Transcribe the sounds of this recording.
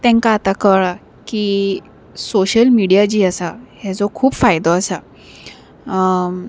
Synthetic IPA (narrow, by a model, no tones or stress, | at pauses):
t̪ɛ̃ŋkaːt̪akəɭa | kiː | soɕəlmiɽijad͡ʑiːəsahad͡zɔkʰuːbfajd̪ɔasa